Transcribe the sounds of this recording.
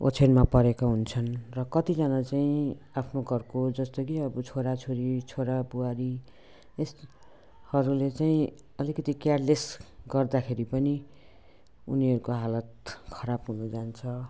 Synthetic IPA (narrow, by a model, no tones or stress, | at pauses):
o̰t͡sʰenmapʌɾekaɦunt͡sʰʌnrʌkʌt̪id͡zʌnat͡saĩapʰnoɡʱʌrkod͡zʌst̪okiʌbʌt͡sʰoɾat͡sʰoɾit͡sʰoɾapuwaɾi | es | hʌɾulet͡saĩ | ʌlikʌt̪ikjarlesɡʌrd̪akʰeɾipʌni | uniɦʌɾukoɦalʌt̪̚kʰʌɾabɦunud͡zant͡sʰʌ